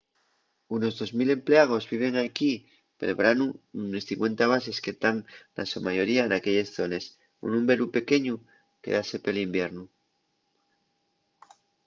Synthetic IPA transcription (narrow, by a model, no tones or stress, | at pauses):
uno̞zðo̞zmile̞mple̞aɣ̞o̞zβiβ̞e̞ŋajki | pe̞̰lβɾanuunesθiŋkwe̞nt̪aβ̞as̬e̞sket̪anna̰sumaʝo̞ɾiaenake̞ʎe̞sθo̞ne̞s | ṵnũmbe̞ɾupe̞ke̞ɲu | ke̞̰ðase̞pe̞limbje̞ɾnu